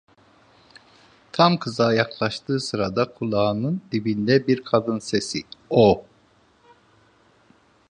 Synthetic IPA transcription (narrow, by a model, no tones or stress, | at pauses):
t̪ʰamkʰɯzaːjaklˠaʃt̪ʰɯːsɯɾad̪akʰulˠaːnɯnd̪ibind̪ɛbiɾkʰad̪ɯnsesio